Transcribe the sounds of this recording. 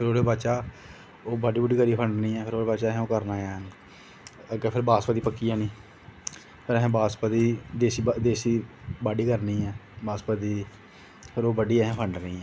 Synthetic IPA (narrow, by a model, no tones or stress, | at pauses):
pʰɪɾoːɽeːbat͡ʃaː | oːbaɖiːbəɖiːkəɾiːpʰəɳɖnĩːɛːpʰɪɾoːɽeːbat͡ʃaːɦɛ̃oːkəɾnaːjaːn | əɡɛːpʰɪɾbaːspat̪iːpəkːijãːnĩː | pʰɪɾɛɦɛ̃ːbaːspad̪iːd̪eːsid̪eːsiːbaːɖiːkəɾnĩːɛːbaːspad̪iː | pʰɪɾoːbəɖiːɛɦɛ̃ːpʰəɳɖniːɛ̃ː